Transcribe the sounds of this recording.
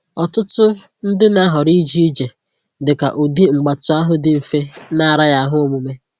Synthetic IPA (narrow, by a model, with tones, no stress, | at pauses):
ɔ˨tʊ˦tʊ˦ | n̩˦dɪ˦na˦ɦɔ˨ɾi˦d͡ʒi˦i˦d͡ʒe˨ | dɪ˨ka̰˨ʔo˨di˦ŋ͡m̩˨ɡ͡ba˨tʊ˨˦a˦ɦʊ˦dɪ˨˦m̩˨fe˦na˦˨ɾa˦ja˦ɦʊ˦o˦mu˨me˦